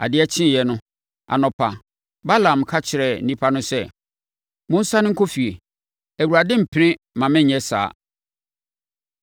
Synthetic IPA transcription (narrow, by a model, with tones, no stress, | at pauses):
a̰˨dɪ˦ɛ˦t͡ɕʰɪ̃˦˨jɛ˨nʊ̃˦ | a̰˨nɔ̃˨pʰa˨ | ba˦lã˨m˨kʰa˦t͡ɕʰɪ˨ɾɛ˨n̩˦nĩ˦pʰa˦nʊ̃˦sɛ˦ | mʊ̃˦n̩˦sa˦nɪ̃˦ŋ̩˦kʰo˦fi˨e˨ | æ˨wu˨a˨dɪ̃˦m̩˨pʰɪ˨˦ɾɪ̃˦ | mã˨mɪ̃˦ɲ˨ɲɛ˦sa̰ː˨